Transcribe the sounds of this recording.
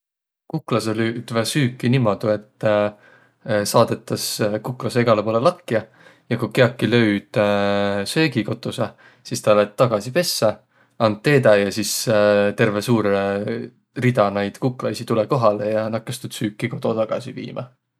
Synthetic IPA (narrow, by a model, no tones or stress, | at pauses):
kukːlɑselyːd̪̥vɑsyːkːinimo̞d̪̥ue̞t̪ː | sɑːd̪̥e̞t̪ːˑɑskukːˑlɑseeɡ̥ɑlepoːlelɑkːiɑ | jɑkukeɑkːilø̞ɥd̪̥ | se̞ːɡiko̞t̪ːˑuse | sist̪ɑlet̪ːɑɡ̥ɑsipe̞sːɑ | ɑnt̪̚t̪ːe̞ːd̪ɑjɑsist̪e̞rve̞suːɾe | rid̪ɑnɑjd̪̥kukːˑlɑjsit̪uleko̞ɦɑlejɑnɑkːɑst̪ud̪̥syːkˑːiko̞t̪o̞t̪ɑɡ̥ɑ̰sivḭːmɑ̰